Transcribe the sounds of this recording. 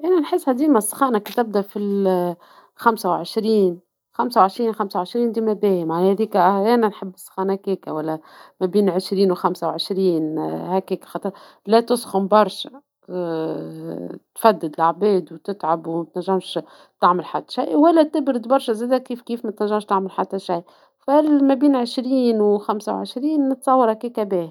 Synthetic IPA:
ʔænænħɪsːhæd̪iːmæsˤːxɑːnakit̪ɪb̚d̪æfil | xamsawʕəʃɾiːn | xamsawʕeʃɾiːnxamsawʕəʃɾiːnd̪iːmæbæːjəmʕahæðiːkæʔæænænħəbːəsˤːxɑːnækæːkæwælːæmæbiːnʕəʃɾiːnwxamsawʕəʃɾiːnhækæːkæ̥xɑːt̪ˤəɾ | læt̪ʊsˤxʊmbɑɾˤʃæ | t̪fæd̪ːɪd̪lʔaʕbɛːd̪wt̪ɪt̪ʕabwmæt̪næʒːæmʃ | t̪aʕməlħat̪ːæ̥ʃajwælːæt̪ɪbɾɪd̪bɑɾˤʃæzæːd̪ækːiːfkiːfmæt̪næʒːæmʃt̪aʕməlħat̪ːæʃaj | fælmæbiːnʕɪʃɾiːnwxamsa̰wʕə̰ʃɾiːnːət̪sˤɑwːɑɾhækiːkæbæːh

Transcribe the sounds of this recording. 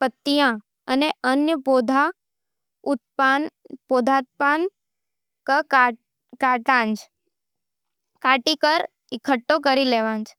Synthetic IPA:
pət̪ːijã | əneənjəbod̪ʱa | ut̪̚panbod̪ʱat̪̚pan | kə | kaʈãnd͡ʒ | kaʈikəɾ | ikʰəʈːok̬əɾileʋãnd͡ʒ

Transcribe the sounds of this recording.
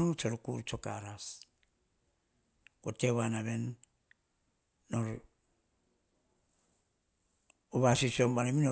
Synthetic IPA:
ot͡ʃoɾkuɾt͡ʃokaɾas | koteβanaβen | noɾ | uβasisombanamino

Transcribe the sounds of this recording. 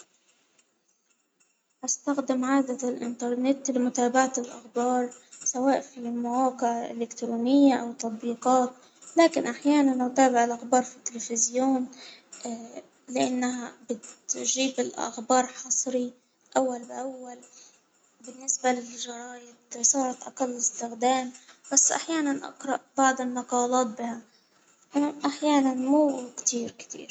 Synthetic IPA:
ʔast̪axd̪ɪmʕaːd̪alʔɪ̰nt̪ɑɾˤnɛt̪lɪmʊt̪aːbaʕat̪ɪlʔa̰xbɑːɾˤsawaːʔfimawɑːqɪʕʔɪlɪkt̪ɾuːnɪjːaʔawt̪ˤːɑt̪̚ˤbiːqɑːt̪ | laːkɪnʔaħjaːnanʔʊt̪aːbɪʕɪlʔaxbɑːɾˤfit̪ːɪlfɪzjoːnː | lɪʔanːaɦabɪt̪ʒiːbɪlʔa̰xbɑːɾˤħɑsˤɾi | ʔawːalbʔawːal | bɪnːɪsbalɪʒɑɾˤɑːjɪd̪sˤɑːɾˤɑt̪ʔaqalːɪst̪ɪxd̪aːmb̥asːʔa̰ħjaːnanʔɑ̰qɾˤɑʔbaʕd̪ɪlmɑqɑːlɑːt̪̚bɪha | ʔʔaħjaːnanmuːkt̪iːɾkt̪ḭːɾ

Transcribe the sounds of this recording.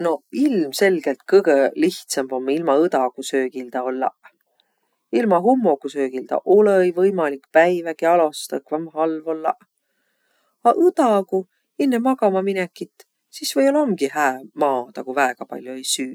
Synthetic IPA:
no̞ilmse̞lɡ̥elt̪̚kɤɡ̥eliht̪sɑmb̥o̞mːilmɑɯt̪ɑkusø̞ːkild̪̥ɑo̞lːɑ̰ | ilmɑɦumːo̞kusø̞ːɡ̥ild̪ɑ̰ʔolejvɤjmɑlikpæjvækiɑlo̞st̪ɑkvɑmɦɑlvo̞lːɑ̰ | ɑʔɯt̪ɑku | enːemɑɡɑmɑminekːˑit̪ːˑ | sisvɤjolomɡihæːmɑːt̪ɑkuvæeɡ̥ɑpɑ̰lʲjoe̞jsyː

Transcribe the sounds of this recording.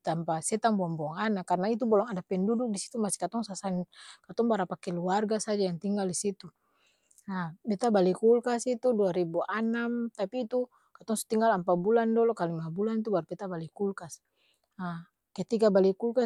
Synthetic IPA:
t̪ampasɛt̪aŋbɔambɔŋanakarnait̪̬ubɔlɔŋadapɛnduduk̚disi̥t̪umasi̥kat̪ɔŋsasankat̪ɔŋbaɾapakɛluarɡasad͡ʒajaŋt̪iŋɡaldisit̪u | abɛt̪abalikulkasit̪uduaɾibuʔanamt̪apiːt̪u | kat̪ɔŋsu̥t̪iŋɡalampabulandɔlɔkalimabulant̪ubaɾupɛt̪abalikulkas | a | kɛt̪ikabalikulka

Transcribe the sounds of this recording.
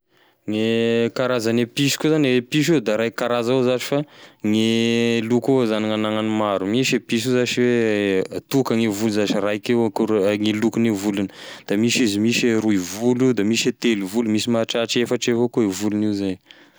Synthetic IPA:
ŋekaɾazanepisi̥kʲuzanwepiʃ̬ud̪aɾajkaɾazozaʈ͡ʂi̥faŋelukuzaniŋanaŋanimaɾumisepiʃ̬uzaʈ͡ʂiwe | t̪ukəŋevuluzaʈ͡ʂirajkewkuŋilukunevulunəd̪̥amisizimiseɾuivulud̪amiset̪eluvulumisimaʈ͡ʂaʈ͡ʂefaʈ͡ʂevokoevuluniwzan

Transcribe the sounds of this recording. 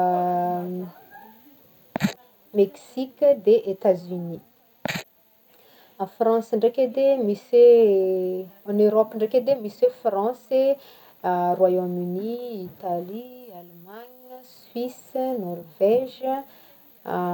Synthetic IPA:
meksikʲəd̪eʔet̪azyni | afrɑ̃səɳɖ͡ʐeked̪emise | anøɾɔpəɳɖ͡ʐeked̪emisefrɑ̃se | rwajomyniit̪alialmaɲəswisnɔrvɛʒə

